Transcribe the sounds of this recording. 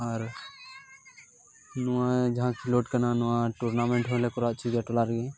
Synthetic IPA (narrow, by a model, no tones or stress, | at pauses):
əɾ | nʊãd͡ʒɦãkʰiloːʈkənanʊãʈuɾnaːmẽɳʈɦõlekʊɾaːt͡ʃʰiɡaʈolaːɾɡe